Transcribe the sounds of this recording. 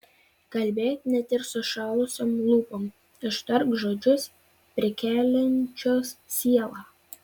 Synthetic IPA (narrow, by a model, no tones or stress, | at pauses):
kɐlʲˑbʲeːt̪ʲnʲɛt̪ɪɾsʊʃɑːlˠʊsʲoːmlˠuːpoːm | ɪʃt̪ɐɾkʒoːd͡ʒʲʊs | pʲɾʲɪkʲæːlʲɛnʲt͡ʃʲoːssʲiɛlˠɑː